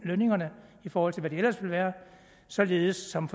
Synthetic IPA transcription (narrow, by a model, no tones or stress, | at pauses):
løne̝ŋɐnəifɒːhɒl̰t͡sʰe̝lʋæɾeelɐsʋe̝lʋæːɐ | sɒ̽le̝ːð̩ˠəsːɒ̽mfɒ